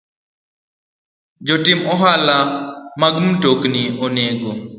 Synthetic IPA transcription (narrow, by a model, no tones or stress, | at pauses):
d͡ʒɔtɪmɔɦalamaɡmtokniɔneɡo